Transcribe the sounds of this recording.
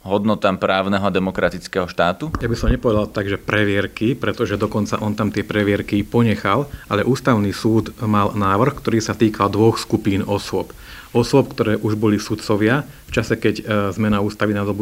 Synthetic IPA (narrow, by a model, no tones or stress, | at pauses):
ɦɔd̪nɔt̪aːmpɾaːʊnɛɦɔad̪ɛmɔkɾat̪it͡skɛɦɔʃt̪aːt̪ujabisɔmɲɛpɔʋɛd̪alt̪aɡʒɛpɾɛʋɪɛɾkipɾɛt̪ɔʒɛd̪ɔkɔnt͡sa̰ʔɔnt̪amt̪ɪɛpɾɛʋɪɛɾkipɔɲɛxalʔalɛʔuːst̪aʊniːsuːd̪malnaːʋr̩xkt̪ɔɾiːsat̪iːkald̪ʋɔxskupiːnɔsʊɔp | ɔsʊɔp̚kt̪ɔɾɛːʔuʒbɔlisut̪sɔʋɪa | ft͡ʃasɛkɛɟzmɛnauːst̪aʋinad̪ɔbu